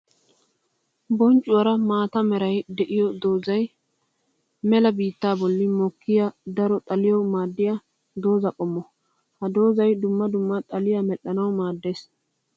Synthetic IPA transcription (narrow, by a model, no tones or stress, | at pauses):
bɔnt͡ʃʼːʊwɐɾɐmaːt̪ɐmɛɾɐjd̪ɛʔɪjɔd̪o̞ːzɐj | mɛlɐbiːt̪ːaːbɔlːɪmɔkːɪjɐd̪ɐɾɔt̪ʼɐlɪjɔwmaːd̪ːɪjɐ | d̪o̞ːzɐkʼɔmːɔ | hɐd̪o̞ːzɐjd̪ʊmːɐd̪ʊmːɐt̪ʼɐlɪjɐmɛɗːɐnɐwmaːd̪ːe̞ːs